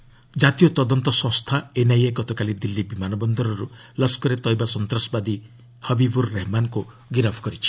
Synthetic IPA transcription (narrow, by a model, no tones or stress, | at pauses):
d͡ʒat̪ijɔt̪ɔd̪ɔnt̪ɔsɔ̃st̪ʰaenajeɡɔt̪ɔkalid̪ilːibimanɔbɔnd̪ɔɾɔɾu | lɔskɔɾet̪ɔjbasɔnt̪ɾɔsɔbad̪i | hɔbibuɾːeɦmanku | ɡiɾabʰʱɔ̥kɔɾit͡ʃʰi̥